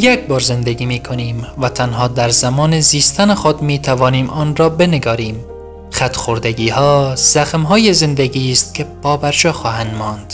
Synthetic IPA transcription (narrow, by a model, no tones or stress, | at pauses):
jekbɒːɾze̞nd̪eɡiːmiːkʰo̞niːmvæt̪ʰænɦɒːd̪æɾzæmɒːneziːst̪ʰænexod̪miːt̪ʰævɒːniːmʔɒːnɾɒːbe̞neɡɒːɾiːm | xæt̪ʰxoɾd̪eɡiːhɒːz̥æxmɦɒːjezend̪eɡiːst̪̚kʲʰe̞pʰɒːbæɾd͡ʒɒːxɒːhænd̪mɒːnd̪̥